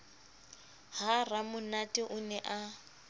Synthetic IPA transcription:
haramʊnatʼɪʔʊnɛʔa

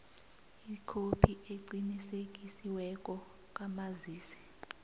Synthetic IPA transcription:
ikʰopʰieǀinisek̬ʼisiwɛkʼɔ | kʼamaziːsɛ̥

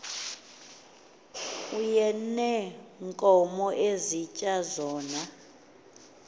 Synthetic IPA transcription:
ujɛnɛŋkʼɔmɔʔezit͡ʃʼazɔːna

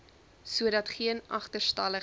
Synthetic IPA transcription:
suədɐtχiənʔɐχtərstɐlə

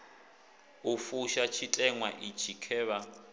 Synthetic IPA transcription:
ufuʃat͡ʃʰitʼɛŋwaʔit͡ʃʰikʰɛːβa

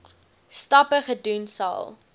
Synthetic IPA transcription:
stɐpəχədunsɑ̰ːlˠ

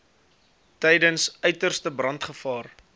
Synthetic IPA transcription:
tɛjdənsœɥtərstəbrɐntχəfɑːr

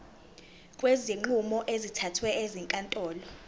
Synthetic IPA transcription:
kʼweziŋ͡ǃumɔʔezitʰatʰwɛeziŋkʼantʼɔːlɔ

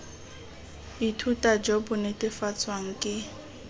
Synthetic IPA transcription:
itʰutʼad͡ʒɔbʊnɪtʼɪfat͡sʰʼwaŋ̩kʼɪ

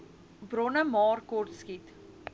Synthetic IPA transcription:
brɔnəmɑːrkɔrtskit

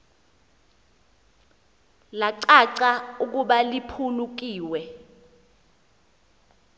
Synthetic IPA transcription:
laǀaǀauk̬uɓalipʰuluk̬iːwɛ

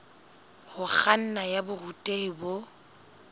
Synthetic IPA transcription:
hʊk͡xan̩najabʊrutʼeɪbo

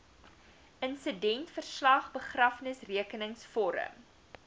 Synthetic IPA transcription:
ʔənsədɛntfərslɐχbəχrɐfnəsriəkənəŋsfɔɾə̰m

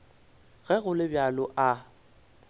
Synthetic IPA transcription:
ɣɛɣʊlɪbjalʊʔa

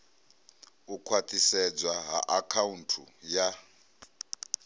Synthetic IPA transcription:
ukʰwat̪ʼisɛd͡zwaɦa̰ʔakʰauntʰuja

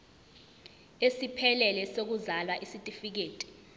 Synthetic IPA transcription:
esipʰɛlɛlɛsok̬uzalwaʔisitʼifik̬eːtʼi̥

